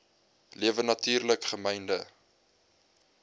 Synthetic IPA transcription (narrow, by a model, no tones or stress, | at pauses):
liəvənɐtyːrləkχəmɛjndə